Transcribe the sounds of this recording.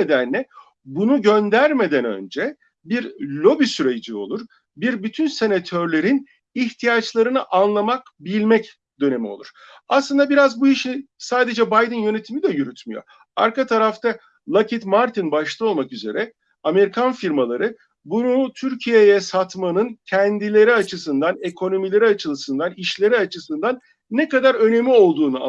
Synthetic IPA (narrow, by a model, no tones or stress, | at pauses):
ed̪ænlʲɛ | bunuɟø̞nd̪æɾme̞d̪ænø̞̰nd͡ʒɛ | biɾlʲo̞bisyɾed͡ʒio̞̰lˠuɾ | biɾbyt̪ʰynse̞nat̪ʰøɾlʲe̞ɾin | içt̪ʰijat͡ʃlˠaɾɯnɯʔanlˠamak | bilʲmɛc | d̪̥ø̞ne̞mio̞̰lˠuɾ̥ | aslˠɯnd̪abiɾazbuiʃisaːd̪e̞d͡ʒɛbajd̪ɯnjø̞ne̞t̪ʰimid̪ɛjyɾyt̪myjo̞̰ | a̰ɾkat̪ʰaɾaft̪ʰa | lˠacʰit̪maɾt̪ʰinbaʃlˠɯo̞lˠmakyze̞̰ɾʔɛ | ame̞ɾikʰanfiɾmalˠa̰ɾɯ | bunut̪ʰyɾcʰijejɛsat̪manɯncʰɛnd̪ilʲe̞ɾiat͡ʃʰɯsɯnd̪ane̞kʰo̞no̞milʲe̞ɾiat͡ʃʰɯlˠɯsɯnd̪aniʃlʲe̞ɾiat͡ʃʰɯsɯnd̪anː | ekad̪aɾø̞ne̞mlʲio̞lˠd̪uːnua̰